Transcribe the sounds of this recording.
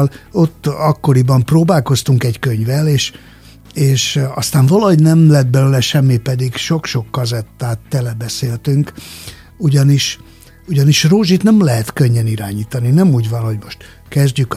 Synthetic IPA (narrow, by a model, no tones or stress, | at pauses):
lo̞t̪ːɒkːo̞ɾibɒmproːbaːlko̞st̪uŋkɛckø̞ɲvɛleːʃ | eːʃɒst̪aːɱvɒlɒɦo̞ɟnɛmlɛd̪̚bɛløːlɛʃɛmːipɛd̪iɡʃo̞kʃo̞kːɒzɛt̪ːaːt̪ːɛlɛbɛseːlt̪yŋk | uɟɒniʃ | uɟɒniʃroːʒit̪nɛmlɛɦɛt̪køɲːɛniɾaːɲiːt̪ɒninɛmuːɟvɒnho̞ɟmo̞ʃt̪ | kɛzɟyk